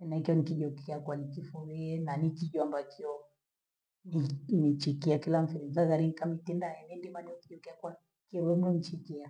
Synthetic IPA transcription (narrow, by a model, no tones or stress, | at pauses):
ɛnaikiɔnikiʄɔkʰɛakwanikifɔɣiɛnanikiʄwambakʰiɔ | ninit͡ʃikiakilam̩fiɾinzaɣaɾiŋikamitindaɛmɛndimaniɔkiʄɔkɛakwa | kiɔwɛnɔnit͡ʃikia